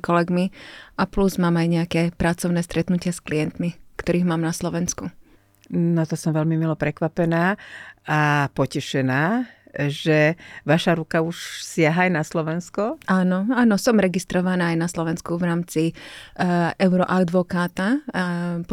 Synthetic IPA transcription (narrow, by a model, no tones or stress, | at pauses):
kɔlɛɡmiʔapluzmaːmajɲɛakɛːpɾat͡sɔʊnɛːst̪ɾɛt̪nucɪasklijɛnt̪mikt̪ɔɾiːɣmaːmnaslɔʋɛnsku | nɔt̪asɔmʋɛlmimilɔpɾɛkʋapɛnaːapɔcɛʃɛnaː | ʒɛʋaʃaɾukauʃsɪaɦaːjnaslɔʋɛnskɔaːnɔaːnɔsɔmɾɛɡist̪ɾɔʋanaːajnaslɔʋɛnskuʋɾaːmt͡si | ɛʊɾɔʔad̪ʋɔkaːt̪a | p